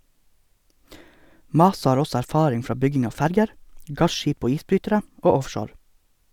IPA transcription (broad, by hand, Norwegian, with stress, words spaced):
ˈmɑːsɑ ˈhɑːɾ ˈɔsɔ æɾˈfɑːɾɪŋ ˈfɾɑː ˈbʏɡɪŋ ˈɑː ˈfæɾɡəɾ ˈɡɑʃˌʃiːp ˈoː ˈiːsˌbɾyːtəɾə ˈoː ˈɔfʃoːɾ